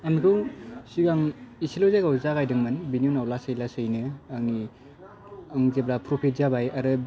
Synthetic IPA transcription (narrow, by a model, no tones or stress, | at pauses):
amikʰɯwsiɡaŋisilozeɡawzaɡajdɯŋmɯnbiniunawlasɯjlasɯjnɯaŋni | ɯŋzeblapʰɾopʰit̚zabajaɾɯ